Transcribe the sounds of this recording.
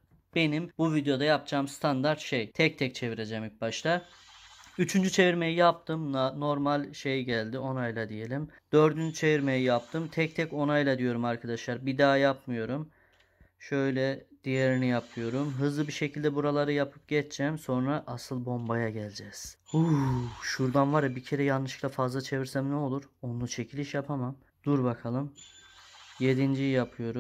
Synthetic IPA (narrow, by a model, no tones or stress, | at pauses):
b̥e̞nimbuvid̪eo̞d̪ajap̚d͡ʒaːmst̪ʰand̪aɾt̪ʃejt̪ʰɛc̚t̪ʰɛc̚t͡ʃʰe̞viɾe̞d͡ʒɛmic̚baʃt̪ʰa | yt͡ʃʰynd͡ʒyt͡ʃʰe̞viɾme̞jijap̚t̪ʰɯmno̞ɾmalʲʃe̞jɟælʲd̪io̞najlˠad̪ije̞lʲimd̪̥ø̞ɾd̪ynd͡ʒyt͡ʃʰe̞viɾme̞jijap̚t̪ʰɯmt̪ʰɛc̚t̪ʰɛco̞najlˠad̪ijo̞ɾumaɾkʰad̪aʃlˠaɾbid̪aːjapmɯjo̞ɾum | ʃø̞jlʲɛd̪̥ijeɾinijapʰɯjo̞ɾumɦɯzlˠɯbiʃecʰilʲd̪ɛbuɾalˠaɾɯjapʰɯp̚ɟɛt͡ʃt͡ʃʰːɛmso̞nɾaʔasɯlˠbo̞mbajaɟælʲd͡ʒɛz̥huʃuɾd̪anvaɾɯbicʰe̞ɾɛjanːɯʃɯ̥klˠafazlˠat͡ʃʰe̞viɾsæmnɛo̞lˠuɾo̞nut͡ʃʰe̞cʰilʲiʃjapʰamam | d̪̥uɾbakʰalˠɯm | je̞d̪ind͡ʒijapʰɯjo̞ɾum